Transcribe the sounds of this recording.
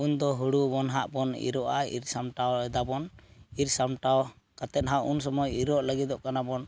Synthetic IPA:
und̪ɔɦuɽubɔnɦaʔbɔnḭɾɔʔaḭɾsamʈawɛd̪abɔniɾsamʈaw | kat̪ɛt̪̚ɦaʔunsɔmɔjiɾɔʔləɡit̪ɔʔkanabɔn

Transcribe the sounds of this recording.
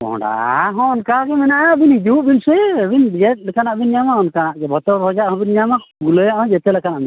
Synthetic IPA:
ɔ̰ɖa̰ɦɔ̃ɔnkaɡɛmɛnaʔabinid͡ʒ̪uʔbinsɛbind͡ʒɛt̪̚ˀlɛkanaʔbinɲamaɔnkanaʔɡɛbʱɔt̪ɔbʱɔd͡ʒaʔhɔ̃binɲamakulɔjaʔɔ̃d͡ʒɛt̪ɛlɛkanaʔbin

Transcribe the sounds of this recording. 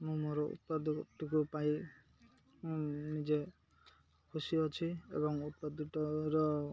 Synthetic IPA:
mũmoɾɔʔṵt̪̚pad̪ɔʈukupaj | nid͡ʒe | kʰusiɔt͡ʃʰiḛbɔŋut̪̚pad̪uʈɔɾɔ

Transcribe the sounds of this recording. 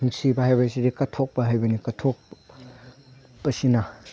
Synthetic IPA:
uŋsibɐhajbɐsidikɐtʰok̚bɐɦajbɐnikɐtʰok̚ | b̥ɐsina

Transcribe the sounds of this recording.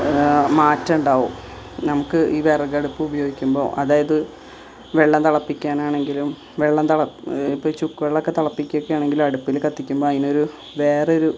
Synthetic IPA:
maːtːɐuɳɖaːʋṵm | nɐmukːɨʔiːʋeːreɡɐɽupːɨubɐjo̞ːɡikʲːumbo̞̰ːʔɐðaːjɐðɨ | ʋeɭːɐmt̪ɐɭɐpːikʲːaːnaːɳe̞ŋɡilum | ʋeɭːɐmt̪ɐɭɐipːot͡ɕukːʋeɭːokːet̪ɐɭɐpːikʲːokːejaːɳe̞ŋɡilumɐɽupːilkɐt̪ːikʲːumbo̞ːɐðino̞ɾu | ʋe̞ːreoɾu

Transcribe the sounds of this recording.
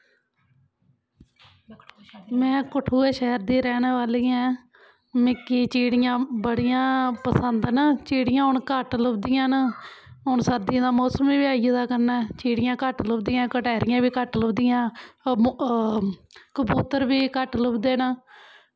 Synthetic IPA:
mɛ̃ːkʊʈʰuːɛːʃɛːəɾd̪iːɾɛːnʋaːliːɛ̃ː | mɪkːiːt͡ʃiːɽɪjãːbəɽɪjãːpəsənd̪nət͡ʃiːɽɪjãːɦʊɳkəʈlʊbd̪ɪjãːnəɦʊɳsəɾd̪ɪãːd̪aːmɔːsəmʋiːbɪaːijəd̪aːkəɾnaːt͡ʃiːɽɪjãːkəʈlʊbd̪ɪjãːkəʈɛːɾɪjãːbiːkəʈlʊbd̪ɪjãː | kəbuːt̪əɾbiːkəʈlʊpd̪eːnə

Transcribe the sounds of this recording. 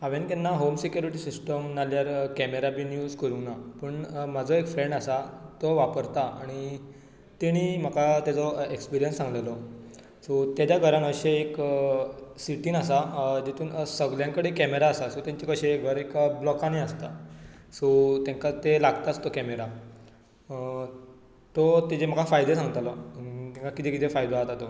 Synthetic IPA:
aʋenkanːaɦomsekjuɾiʈisisʈəmnaljaɾkɛmeɾabʱiːnjuːd͡zkəɾunapəɳmad͡zʱɔekfɾeɳɖasat̪ɔʋapəɾt̪aʔaɽ̃i | t̪eɽ̃iːm̤akat̪jad͡zɔekspiɾijənsːãŋɡlelɔ | sɔt̪jad͡ʑaɡʱəɾanəɕeːk | siʈiːnasad͡ʑet̪ʰuːnəsəɡljãŋkəɽekɛmeɾaəsasot̪jaɲt͡ɕikəɕeɡʱəɾekblɔkaniəst̪asot̪jãŋkat̪elaɡt̪ast̪okɛmeɾa | t̪ot̪ed͡ʑem̤əkafajd̪esãŋɡt̪alɔt̪iŋkakit̪ʰekit̪ʰefajd̪oaɦət̪at̪o

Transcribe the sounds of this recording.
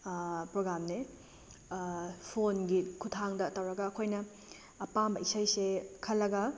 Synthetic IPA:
pɾoɡɾamne | pʰonɡikʰutʰaŋdɐtɐwɾɐɡɐːkʰojnɐː | pambɐʔisajsekʰɐlːɐɡɐ

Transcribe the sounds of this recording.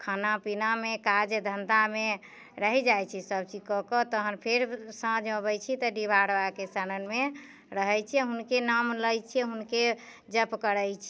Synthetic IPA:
kʰanapinamekad͡ʒd̪ʱənd̪ame | ɾəɦid͡ʒajt͡ʃʰisəb̚t͡ʃid͡ʒkɔkɔt̪əɦənpʰeɾsãd͡ʒəbəjt͡ʃʰit̪ɔɖibaɾʋakesaɾənme | ɾəɦɛjt͡ʃʰiɛɦunkenamləjt͡ʃʰiɛɦunke | d͡ʒəpkəɾəjt͡ʃʰi

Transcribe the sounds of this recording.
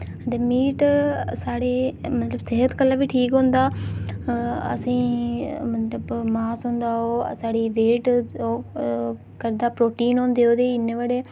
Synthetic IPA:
d̪eːmiːʈsaːɽeːmət̪ləbsɪɦət̪kəlːaːbiːʈʰiːkɦõːnd̪aː | ə̰sĩːmət̪ləbmaːsɦõːnd̪aːɦo̰ːsaːɽiːʋeːʈː | kəɾd̪aːpɾoːʈiːnɦõːnd̪eːoːd̪eːɪnːeːʋəːɽeː

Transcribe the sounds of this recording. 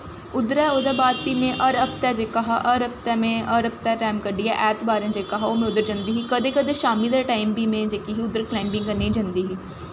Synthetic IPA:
ʊd̪ɾɛːoːd̪aːbaːd̪̚biːmẽʔəɾəpt̪ɛːd͡ʒeːkaɦaʔəɾəp̚t̪ɛːmẽəɾəp̚t̪ɛːʈaːimkəɖiːɦɛʔɛːt̪baːɾẽnd͡ʒeːkaɦaoːmẽʊd̪əɾd͡ʒãnd̪iːɦiːkəd̪eːkəd̪eːʃaːmid̪aːʈaːimbiːmẽd͡ʒeːkiɦiːʊd̪əɾklaːɪmbɪ̃ŋɡkənid͡ʒə̃nd̪iːɦiː

